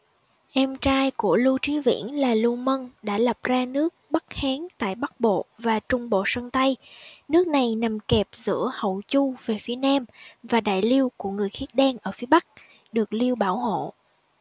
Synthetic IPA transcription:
ʔɛ˧mt͡ɕaː˧jku˧˩əlu˧t͡ɕi˨˦vḭ˧˥ənlaː˨˩lu˧mə˧nɗa̰ː˧˥lə˨˩p̚zaː˧nɨ˦˥ək̚ɓə˦˥k̚haː˨˦ŋt̪a̰ː˧˨jɓa˦˥k̚ɓo̰˧˨vaː˨˩t͡ɕʊ˧ŋ͡mɓo̰˧˨sə˧ŋt̪a˧jnɨ˦˥ək̚na˨˩jna˨˩mkɛ˨˩p̚zɨ̰˧˥əhə̰˧˨wt͡ɕu˧ve˨˩fi˨˦ənaː˧mvaː˨˩ɗa̰ː˧˨jli˧əwku˧˩əŋɨ˨˩əjxi˦˥t̚ɗɛ˧nʔəː˧˩fi˨˦əɓa˦˥k̚ | ɗɨ˨˩ək̚li˧əwɓaː˧˩who̰˧˨

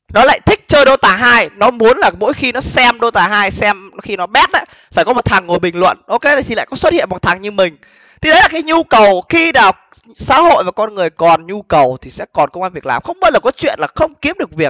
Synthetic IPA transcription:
nɔ˨˦la̰ː˧˨jt̪ʰï˦˥k̟̚t͡ɕəː˧jɗo˧t̪aː˧˩ɦaː˧jnɔ˨˦mu˨˦ənlaː˨˩mo̰˧˥jxi˧nɔ˨˦sɛ˧mɗo˧t̪aː˧˩ɦaː˧jsɛ˧mɔ˨˦xi˧nɔ˨˦ɓɛ˦˥t̚ʔa̰˧˥ | faː˧˩jkɔ˨˦mo˨˩t̚t̪ʰaː˨˩ŋːo˨˩jɓï˨˩ŋ̟lwə̰˧˨nʔo˧ke˧a˨˩t̪ʰi˨˩a̰ː˧˨kɔ˨˦swə˦˥t̚hḭ˧˨ə˨mɓɔ˨˩t̪ʰa˨˩ŋɲɨ˧mï˨˩ŋ̟ | t̪ʰi˧˦ɗə˨˦jlaː˨˩kaː˨˦jɲu˧kə˨˩wxi˧naː˨˩w | sa̰ː˧˥ho̰˧˨jvaː˨˩kɔ˧nŋɨ˨˩əjkɔ˨˩nɲu˧kə˨˩wt̪ʰi˨˩sɛ̰˧˥kɔ˨˩nkə˧wŋ͡mʔaː˧nvi˨˩ək̚laː˨˩mxə˧wŋ͡mɓə˦˥t̚ləː˨˩kɔ˨˦t͡ɕwḭ˧˨ənlaː˨˩xə˧wŋ͡mki˨˦əp̚ɗɨ˨˩ək̚vi˨˩ək̚

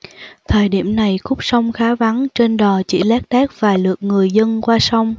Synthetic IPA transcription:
t̪ʰəː˨˩jɗḭ˧˩əmna˨˩jxʊ˦˥k͡p̚sa˧wŋ͡mxaː˨˦va˨˦nt͡ɕe˧nɗɔ˨˩t͡ɕḭ˧˩˥lɛː˦˥k̚ɗɛː˦˥k̚v̥aː˨˩lɨ˨˩ək̚ŋɨ˨˩əjzə˧nkwaː˧sa˧wŋ͡m

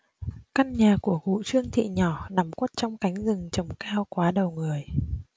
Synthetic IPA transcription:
ka˧nɲaː˨˩ku˧˩əɣṵ˧˨t͡ɕɨ˧əŋt̪ʰḭ˧˨ɲɔ˧˩na˨˩mkwt̚t͡ɕɔ˧wŋ͡mka˨˦jŋ̟zɨ˨˩ŋt͡ɕə˨˩wŋ͡mkaː˧wkwaː˨˦ɗə˨˩wŋɨ˨˩əj

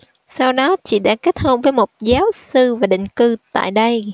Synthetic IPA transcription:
sa˧wɗɔ˨˦t͡ɕḭ˧˨ɗa̰ː˧˥ke˦˥t̚hə˧wŋ͡mvəː˨˦jmo˨˩t̚zaː˨˦wsɨ˧vaː˨˩ɗḭ̈˧˨ŋ̟kɨ˧t̪a̰ː˧˨jɗə˧j

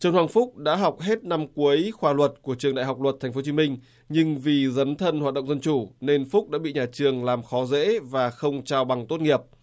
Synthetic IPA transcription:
t͡ɕɨ˧nhwaː˧˩ŋfʊ˦˥k͡p̚ɗa̰ː˧˥ɦa˨˩wk͡p̚ɦe˦˥t̚na˧mku˨˦əjxwaː˧˩lwə˨˩t̚ku˧˩ət͡ɕɨ˨˩əŋɗa̰˧˨jɦa˨˩wk͡p̚lwə˨˩t̪ʰa˨˩ŋ̟fo˨˦t͡ɕi˨˦mï˧ŋ̟ | ɲɨ˧ŋvi˨˩zə˨˦nt̪ʰə˧nhwaː˨˩t̚ɗ̰ŋ͡mzə˧nt͡ɕu˧˩ne˧nfʊ˦˥k͡p̚ɗa̰ː˧˥ɓḭ˧˨ɲaː˨˩t͡ɕɨ˨˩əŋlaː˨˩mxɔ˨˦zḛ˧˥vaː˨˩xə˧wŋ͡mt͡ɕaː˧wɓa˨˩ŋt̪o˦˥t̚ŋi˨˩əp̚

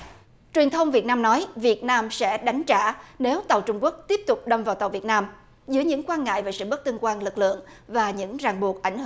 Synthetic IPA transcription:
t͡ɕwi˨˩ənt̪ʰə˧wŋ͡mvi˨˩ət̚naː˧mnɔ˨˦jvi˨˩ət̚naː˧msɛ̰˧˥ɗa˨˦jŋ̟t͡ɕa̰ː˧˩ne˨˦wt̪a˨˩wt͡ɕʊ˧ŋ͡mku˦˥ək̚t̪i˦˥əp̚t̪ʊ˨˩k͡p̚ɗə˧mvaː˨˩wt̪a˨˩wvi˨˩ət̚naː˧m | zɨ˨˦jɲɨ̰˧˥ŋkwaː˧nŋa̰ː˧˨jvaː˨˩sɨ̰˧˨ɓə˦˥t̚t̪ɨ˧nkwaː˧nlɨ˨˩k̚lɨ̰˧˨əŋvaː˨˩ɲɨ̰˧˥ŋzaː˨˩ŋɓu˨˩k̚ʔa˧˩jŋ̟hɨ˧˩

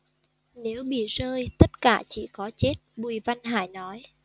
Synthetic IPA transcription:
ne˨˦wɓḭ˧˨zəː˧jt̪ə˦˥t̚kaː˧˩t͡ɕḭ˧˩kɔ˨˦t͡ɕe˦˥t̚ɓu˨˩jva˧nɦa̰ː˧˩˨jnɔ˨˦j

